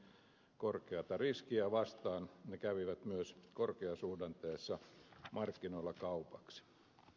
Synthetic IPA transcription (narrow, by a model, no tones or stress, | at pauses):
korkeɑt̪ɑriskiæʋɑst̪ɑːnnekæʋiʋæt̪myøskorkeɑsuːdɑnt̪eːsːɑmɑrkːinoilːɑkɑupɑksi̥